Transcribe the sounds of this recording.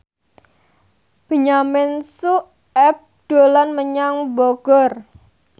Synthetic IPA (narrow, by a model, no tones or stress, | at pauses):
b̥ə̤ɲamɪnsuʔ | ɛp̚d̪̥o̤lanməɲaŋbɔɡ̥ɔr